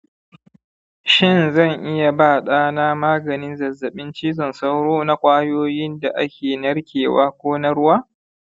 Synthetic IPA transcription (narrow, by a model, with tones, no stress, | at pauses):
ʃɪ˦˨nzɐ˦˨ŋʔɪ˦ja˨baː˦˨ɗaː˦na˦maː˦ɡɐ˨nɪ˦nzɐ˨zːɐ˨ɓɪ˦nt͡ʃiː˦zɔ˨nsa˦wɽoː˦na˦kʷʼaː˦joː˦jɪ˦nda˨ʔa˦kʲeː˨nɐ˦rkʲʰeː˨wa̰ː˦kʷoː˦na˦ɾʊ˦waː˦